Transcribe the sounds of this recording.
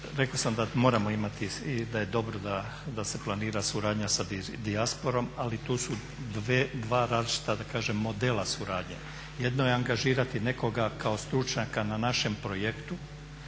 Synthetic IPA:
ɾe̞kosamd̪amo̞ːɾamo̞imat̪iid̪aje̞d̪o̞bɾod̪a | d̪ase̞plˠaniːɾasuɾaːd̪ɲasa | d̪iaspo̞ɾo̞malit̪uːsu | d̪ed̪ʋaːɾaːzlit͡ʃi̥t̪ad̪akaːʒe̞mːo̞d̪e̞ːlasuɾaːd̪ɲḛ | je̞d̪no̞jeaŋɡaʒiːɾat̪ine̞ko̞ɡakaost̪ɾut͡ʃɲakananaʃe̞mpɾo̞jekt̪u

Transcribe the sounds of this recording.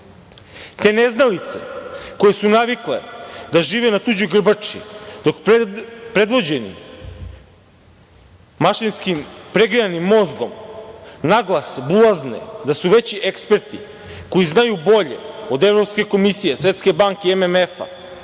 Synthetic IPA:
t̪e̞ːneznalit̪se̞̰ko̞je̞sunaʋikle̞̰d̪aʒiːʋenat̪ud͡ʑuɡr̩bat͡ʂḭd̪o̞k | pɾe̞d̪ʋo̞d͡ʑenḭ | aʃinskimpɾe̞ɡɾijanimːo̞zɡo̞̰m | naɡlˠasbulaznḛd̪asuʋe̞t͡ɕiʔekspe̞ɾt̪i | ko̞jiznajubo̞ʎḛod̪e̞vɾopske̞ko̞misije̞sʋe̞t̪ske̞baŋkeememefa̰

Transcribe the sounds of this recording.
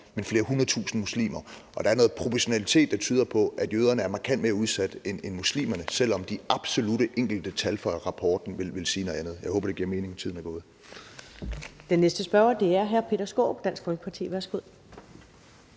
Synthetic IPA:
menfle̝ːɐɦunɐðˠt͡sʰṵːsn̩muslḭːmɐʔɒ̽d̥ɑ̈æɐno̽ːð̩ˠpʰʁo̝pʰɒɕo̝nælit͡sʰe̝̰ːd̥ːɑ̈t͡sʰyːðˠɐpʰɒ̽ʔæd̥jøːðˠɐnəæɐmɑ̈ːkʰæn̰d̥me̝ːɐuð̞ˠsæd̥enenmuslḭːmɐnəsel̰ɒ̽md̥iɑ̈b̥so̝luɾəʔeŋ̰ɡ̥l̩d̥ət͡sʰælfɒɪɐʁɑ̈pʰɒːd̥n̩ʋe̝lʋe̝lsiːnɔðˠænð̞̩ˠjɑ̈ɪhɔːbɐde̝ɡ̥iɐme̝ːne̝ŋt͡sʰiðˠn̩æɡ̥ɔ̽ːð̩ˠ | d̥enːesd̥əsb̥ɶɐɐd̥e̝æɐɦæɐpʰe̝̰ːdɐsɡ̥ɔ̰ːb̥d̥æn̰sɡ̥fɔ̽lɡ̥əpʰɑ̈t͡sʰḭːʋæɐsɡ̥uð̰ˠ

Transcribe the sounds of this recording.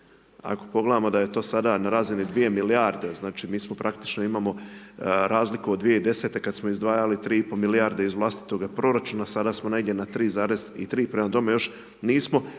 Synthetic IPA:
a̰ko̞̥po̞ɡle̞d̪amo̞d̪ajet̪o̞ːsad̪anaɾaːzinid̪ʋije̞miliaɾd̪eznaːt͡ʃimiːsmo̞pɾakt̪i̥t͡ʃnoimaːmo̞ | ɾʔaːzlikud̪ʋije̞id̪e̞set̪e̞kad̪smoizd̪ʋaːjalit̪ɾiːipo̞miliaːɾd̪eizʋlˠast̪i̥t̪o̞ɡapɾo̞ɾat͡ʃuːnasad̪aːsmoneɡdʲjʲenat̪ɾiːzaːɾe̞zḭt̪ɾiːpɾemad̪o̞mejo̞ʃ | niːsmo̞

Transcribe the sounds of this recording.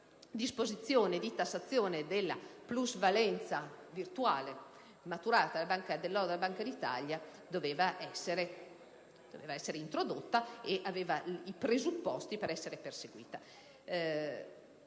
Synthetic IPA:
d̪ispozit̪sːjoːned̪it̪asːat̪sːjoːned̪elːa̰pluzvalɛnt̪savirt̪uaːle | mat̪uɾaːt̪alabaŋkad̪elːɔɾd̪elːabaŋkad̪it̪a̰ʎja | d̪oveːvaʔɛsːeɾe | d̪̥o̰veːvaɛsːeɾeint̪ɾod̪ot̪ːaeʔaveːvaipɾezupːɔst̪ipeɾɛsːeɾeperseɡwḭːt̪a

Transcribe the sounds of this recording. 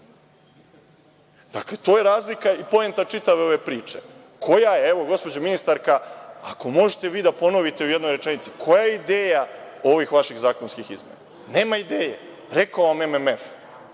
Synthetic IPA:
d̪̥akle̞t̪o̞ːje̞ɾaːzlikaipo̞ent̪at͡ʂit̪aʋe̞o̞ʋe̞pɾiːt͡ʂe̞ | kʰo̞jajeeʋo̞ɡo̞spo̞d͡ʑominist̪aɾkaako̞mo̞ʒet̪e̞ʋiːd̪apo̞no̞ʋit̪e̞ujed̪no̞jɾet͡ʂenit̪si̥kʰo̞jajeid̪e̞ːja | o̞ʋixʋaʃiɣzaːko̞nskixizmḛna | ne̞ːmaid̪eːje̞ | ɾe̞kaoːʋamememef

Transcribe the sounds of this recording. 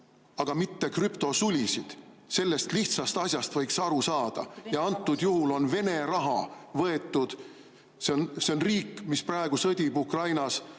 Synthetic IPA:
ɑɡ̥ɑmit̪ːe̞krypt̪o̞sulʲisid̪̥ | se̞lːe̞st̪liht̪sɑst̪ɑsʲjɑst̪vɤ̞jksɑɾusɑːd̪̥ɑ̰jɑɑnt̪ˑːud̪̥juhulo̞nve̞ne̞ɾɑɦɑ̰vɤ̞e̞t̪ːˑud̪̥ | seonse̞onriːkːˑmisprɑe̞ɡ̥usɤd̪̥ʲibukrɑjnɑs

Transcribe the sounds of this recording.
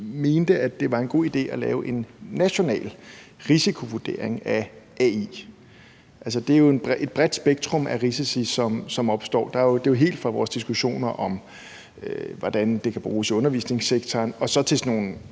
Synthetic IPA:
me̝ːnd̥əæd̥e̝ʋɑ̈e̝nɡ̥o̝̰ːid̥e̝̰ːælɛ̰ːʊʔe̝nːæɕo̝nɛ̰ːl | ʁisikʰo̝ʋuɐd̥e̝ɐ̰eŋæʔɛḭː | ʔæls̬əd̥e̝æjo̝e̝nb̥ʁʔe̝d̥̚b̥ʁɛd̥sb̥eɡ̥̚t͡sʰʁɔ̽mʔæʁisisisɒ̽msɒ̽mɒ̽b̥sd̥ɒ̰ːd̥ɑ̈od̥e̝joɦe̝̰ːld̥fʁɑ̈ʋɒ̰ːsd̥isɡ̥uɕo̝̰ːnɐʔɒ̽m | øʋɒd̥ænd̥e̝kʰæb̥ʁuːsɔ̽nɐʋḭːsne̝ŋseɡ̥t͡sʰɒːnɒ̽sɒ̽t͡sʰe̝sno̝ːn̩

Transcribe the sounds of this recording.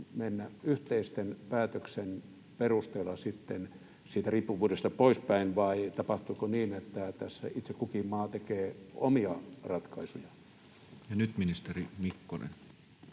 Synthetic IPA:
menːæyht̪eist̪enpæːt̪øksen | perust̪eːlːɑsit̪ːen | siːt̪æriːpːuʋuːdest̪ɑpoispæinʋɑit̪ɑpɑht̪uikoniːnet̪ːæt̪æsːæ̰it̪sekukimːɑːt̪ekeːo̰miɑrɑt̪kɑisujɑ | jɑnyt̪minist̪erimikːonḛn

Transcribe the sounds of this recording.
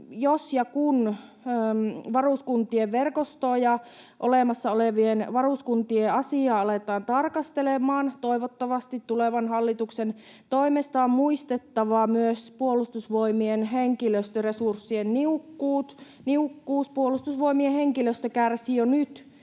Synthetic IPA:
josjɑkun | øːmʋɑruskunt̪ˑieʋʋerkost̪oːjɑ | ʔoleˑmɑsːɑoleʋienʋɑruskunt̪ieɑsiˑɑːɑlet̪ɑːnt̪ɑrkɑst̪elemɑːnt̪oiʋot̪ːɑʋɑst̪it̪tuleʋɑnhɑlːit̪uksen | t̪oimest̪ɑommuist̪et̪ːɑʋɑmyøspuolust̪usʋoimienɦeŋkiløst̪øresursːienniukːuːt̪niukːuːspuolust̪usʋoimieheŋkiløst̪økærsijonyt̪

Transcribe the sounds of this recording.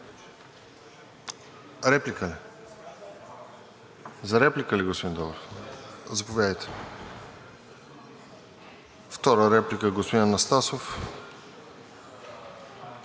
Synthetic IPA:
ɾɛplikəli | zɐɾɛplikəliɡospod̪ind̪ɔlˠəɾ | zɐpovʲjad̪əjt̪ɛ̥ | ft̪ɔɾəɾɛplikəɛɡospod̪innɐst̪asof

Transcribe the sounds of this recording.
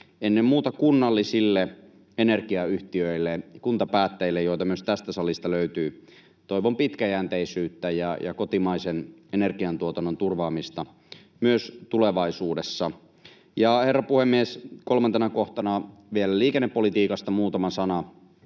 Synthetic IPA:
enːemmuːt̪ɑkunːɑlːisilːe | enerkiɑyht̪iøilːekunt̪ɑpæːt̪ːeilːejojt̪ɑmyøst̪æst̪æsɑlist̪ɑløyt̪yː | t̪o̞iʋompit̪kæjæːnt̪eisyːt̪ːæjɑjɑ̰kot̪imɑisenenerkiɑnt̪uot̪ɑnːont̪urʋɑːmist̪ɑ | myøst̪uleʋɑisuːdesːɑ | jɑherːɑpuhemːiesko̞lmɑnt̪enɑkoht̪ɑnɑʋielæliːkenːepːolit̪iːkɑst̪ɑmuːt̪ɑmɑsɑnɑ

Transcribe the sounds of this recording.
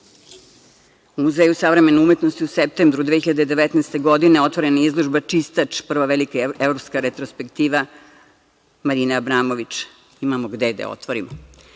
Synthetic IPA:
umuzeːjusaʋɾeme̞noume̞t̪nost̪iusep̚t̪embɾud̪ʋexiʎad̪ed̪eʋet̪nɛːst̪e̞ɡo̞d̪ineo̞t̪ʋoɾe̞naizlˠoʒbat͡ʂist̪at͡ʂpr̩ʋaʋelikaevɾopskaɾet̪ɾospe̞kt̪iːʋa | maɾiːnaabɾaːmo̞ʋit͡ʃ | imamo̞ɡd̪ed̪a̰o̰t̪ʋoɾimo

